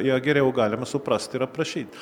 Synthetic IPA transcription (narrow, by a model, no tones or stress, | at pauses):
iɐɡeɾeoɡaːlʲɐmɐsupɾast̪iɾɐpɾɐʃit̪